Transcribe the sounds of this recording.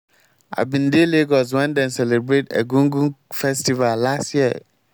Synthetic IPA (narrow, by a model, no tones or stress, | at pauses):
a̰bĩndeleɡɔs̬wɛ̃ndɛ̃nsɛlebɾetɛ̰ɡũŋɡũfɛstivallastjiə̰